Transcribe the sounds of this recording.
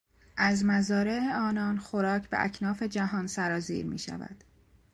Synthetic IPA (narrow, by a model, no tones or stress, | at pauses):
ʔæzmæzɒːɾe̞eɒːnɒnxoɾɒːcʰbeʔæ̰cʰnɒːfe̞d͡ʒæɦɒːnsæɾɒːzḭːɾmḭːʃæ̰væ̰d̪̥